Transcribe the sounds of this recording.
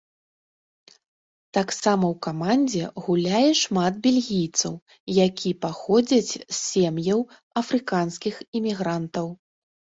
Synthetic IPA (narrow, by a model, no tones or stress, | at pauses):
t̪aksamɐwkamanʲd͡zʲɛɣulʲajɛʂmad̪̚bʲelʲɣʲijt̪sɐ̰w | jakʲipaxɔd͡zʲɐt͡sʲsːʲemjɐw | ɐfɾɨkanskʲiximʲiɣɾant̪ɐw